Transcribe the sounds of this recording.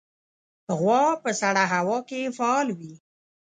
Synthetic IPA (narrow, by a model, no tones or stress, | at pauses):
ɣwɑpəsaɽaɦawɑkefaːlwi